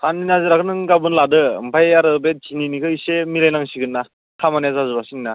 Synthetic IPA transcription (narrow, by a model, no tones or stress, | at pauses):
kʰandinazɯɾakʰɯnɯŋɡabɯnladɯm̩pʰajaɾɯbet̚t͡ʃininikʰɯjsemilajnaŋsiɡɯnːa | kʰamanjazazɯbasinina